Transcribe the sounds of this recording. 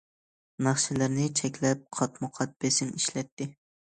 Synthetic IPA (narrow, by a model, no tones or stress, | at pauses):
nɑχʃɪlɪɾnɪt͡ʃʰɛkʲlɛp̚qʰɑt̪mʊqʰɑt̪̚b̥esɪmiʃlɛt̪ːɪ